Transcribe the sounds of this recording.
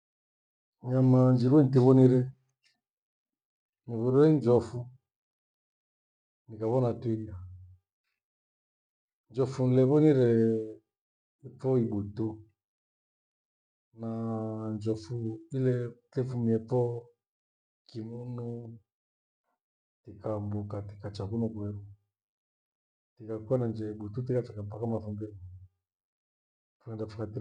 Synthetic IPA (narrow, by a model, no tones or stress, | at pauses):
ɲamand͡ʒiɾwɛnitiβɔniɾɛ | niβuɾuɛnd͡ʒɔfu | nikaβɔnatwia | nd͡ʒɔfunlɛβɔniɾɛ | ipɔiβutu | nand͡ʒɔfuilɛtɛfumiɛpɔ | kimunu | tikambukatikat͡ʃakunɔkwɛɾu | tikakuanand͡ʒɛiɓututikat͡ʃɛkapakamafumbɛβu | funɛndafukati